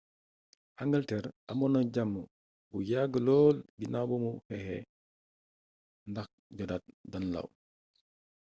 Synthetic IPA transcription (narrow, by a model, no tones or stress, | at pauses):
haŋɡɐltɛɾɐmɔnɐɟamːə | bujaɡəlɔːlbinabumuhɛhɛ̰ | ndɐx̚ | ɟɔdat̚dɐnlɐ̰w